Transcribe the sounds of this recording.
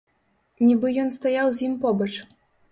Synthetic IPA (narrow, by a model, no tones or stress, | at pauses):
nʲibɨjɔnst̪ajawzʲjimpɔbɐt͡ʂ